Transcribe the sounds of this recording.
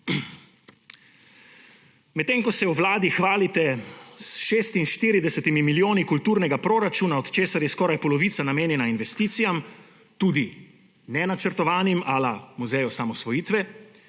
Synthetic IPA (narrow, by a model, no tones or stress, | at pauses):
mɛt̪ːeːŋkɔsɛwʋlaːd̪ixʋaːlit̪ɛsʃeːst̪inʃt̪iːɾid̪ɛsɛt̪imimiljoːnikult̪uːɾnɛɡapɾoːɾat͡ʃuːnaɔt̪t͡ʃeːsaɾjɛskɔːɾajpɔlɔʋiːt̪sanameːnjɛnainʋɛst̪iːt̪sijam | t̪uːd̪i | nɛnat͡ʃəɾt̪ɔʋaːnimalamuzɛjɔsamɔsʋɔjiːt̪ʋɛ